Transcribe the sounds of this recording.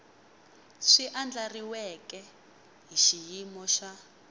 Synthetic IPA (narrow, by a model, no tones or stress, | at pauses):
ʂiʔand͡ɮariwɛkɛ | ɦiʃijimɔʃa